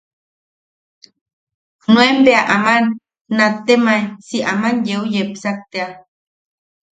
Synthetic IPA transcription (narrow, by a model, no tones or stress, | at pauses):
nuembeaʔamanː | at̪ːemajsiamanjeujepsak̚t̪ea